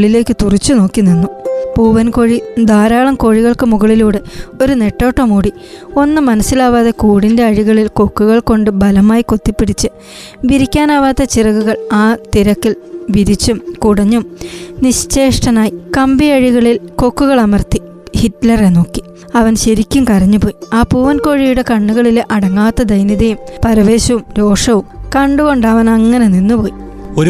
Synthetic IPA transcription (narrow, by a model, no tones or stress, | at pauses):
ɭile̞ːkːɨt̪urit͡ɕːuno̞ːkːinːinːupuːʋɐnko̞ɻid̪aːɾaːɭɐmko̞ːɻiɣɐɭkɨmuɣɐɭiluːɽeo̞ɾune̞ʈːo̞ːʈːɐmuːɽi | o̞nːɨmɐnɐsːilaːʋaːðɐkuːɽinde̞ɐɻiɣɐɭilko̞kːuɣɐɭko̞ɳɖɨbɐlɐmaːjiko̞t̪ːipːiɽit͡ɕːɨ | ʋiɾikʲːaːnaːʋaːt̪ːɐt͡ɕirɐɣuɣɐɭaːt̪iɾɐkːilʋiɾit͡ɕːumkuɽɐɲːumniɕt͡ɕːe̞ːʂʈɐnaːjikɐmbiɐɻiɣɐɭilko̞kːuɣɐɭɐmɐrt̪i | hitlɐreno̞ːkːi̥ | ɐʋɐnɕɐɾikʲːumkɐrɐɲːupo̞ːjiaːpuːʋɐnko̞ːɻijuɽe̞kɐɳːuɣɐɭileʔɐɽɐŋːaːt̪ːɐd̪ɐjniðɐjumpɐɾɐʋe̞ːɕɐʋumɾo̞ːʂɐʋumkɐɳɖuɣo̞ɳɖaːʋɐnɐŋːɐne̞ninːupo̞ːji | oɾ